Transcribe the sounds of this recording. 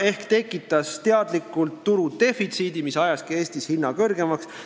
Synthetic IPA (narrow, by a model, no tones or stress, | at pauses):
e̞hkt̪e̞kːˑit̪ːˑɑst̪e̞ɑd̪likːˑult̪ːuɾud̪̥e̞fit̪siːd̪imisɑjɑskie̞ːst̪ishinːɑkɤrɡe̞mɑks